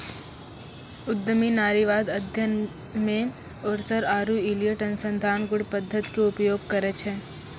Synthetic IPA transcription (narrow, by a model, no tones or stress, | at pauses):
ʊd̪ːəminaːɾiʋaːd̪ɐd̪ʱjən | mẽ | ɔːɾsəɾaːɾuilijəʈɐnsə̃nd̪ʱaːnɡʊɽpəd̪ʱːət̪keʊpjoːɡ̚kɐɾət͡ʃʰɦɛ̃ː